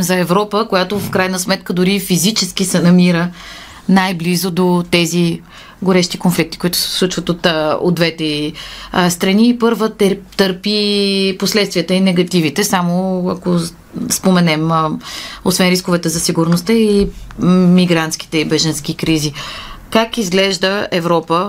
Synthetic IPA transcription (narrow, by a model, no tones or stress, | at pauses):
zɐɛvɾɔpəkojat̪ofkɾajnəsmɛt̪kəd̪ʊɾifizit͡ʃɛsk̟isɛnɐmiɾə | najblizʊd̪ot̪ɛzi | ɡoɾɛʃt̪i̥konflik̚t̪i̥kʊit̪ʊ̥sɛ̥slˠut͡ʃvət̪ot̪o̰d̪d̪vɛt̪ɛist̪ɾɐniːpɤɾvət̪ɛt̪əɾpiposlɛt̪st̪viət̪əinɛɡɐt̪ivit̪ɛsamoɐko | spomɛnɛm | osvɛnɾiskovɛt̪əzɐsiɡʊɾnost̪əi | miɡɾant̪sk̟i̥t̪ɛibɛʒɐnsk̟ikɾizikakizɡlɛʒd̪əɛvɾɔpə